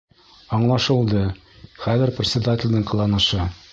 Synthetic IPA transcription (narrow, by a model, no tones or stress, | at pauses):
ɒɴlˠɑʃɤ̆lˠd̪ɤ | χæðɘ̆ɾprʲɪt̪sʲɪd̪atʲɪlʲd̪ɘɴqɤ̆lˠɑnɤ̆ʃɤ